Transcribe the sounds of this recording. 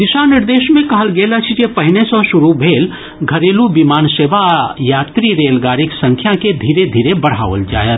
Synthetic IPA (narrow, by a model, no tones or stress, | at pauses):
d̪iʃanɪɾd̪eːʃmẽkɐɦəlɡeːlət͡ʃʰit͡ʃepəɦɪnesɔ̃ʃuɾubʱeːl | ɡʱəɾeːlubimaːnseːbajaːt̪ɾiɾeːlɡaːɾiksə̃ŋkʰjaked̪ʱiːɾed̪ʱiːɾebəɽ̤a̰ːʋə̰ld͡ʒa̰ːjət̪